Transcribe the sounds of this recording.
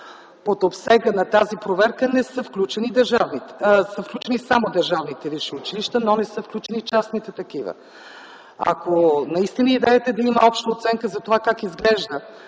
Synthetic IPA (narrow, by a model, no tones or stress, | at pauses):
pot̪opsɛɡənɐt̪azipɾovɛɾkənɛsəfklʲut͡ʃɛnid̪əɾʒavnit̪ɛsəfklʲut͡ʃɛnisamod̪ɐɾʒavnit̪ɛviʃiʊt͡ʃiliʃt̪ənonɛsɤfklʲut͡ʃɛnit͡ʃasnit̪ɛt̪ɐkivə̰ | ɐ̰konɐist̪inəid̪ɛjɛt̪ɛd̪ɐiməɔpʃt̪əot̪sɛŋkəzɐt̪ovakakizɡlɛʒd̪ə